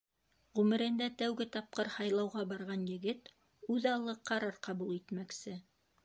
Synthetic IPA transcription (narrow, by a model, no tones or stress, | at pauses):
ʁʉmɘ̆ɾɘ̆nd̪æt̪æwɡɘt̪ɑp̚qɤɾhɑjlˠɑwʁɑbɑɾʁɑnjɘ̆ɡɘt̪ | ʉðɑlˠːɤqɑɾɑɾqɑbulˠit̪mæksɘ